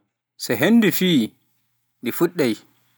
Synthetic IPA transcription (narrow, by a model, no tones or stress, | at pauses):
sɛɦenːdifiː | ndifuɗːɛj